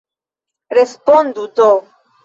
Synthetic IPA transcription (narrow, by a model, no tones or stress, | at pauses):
ɾespond̪ut̪o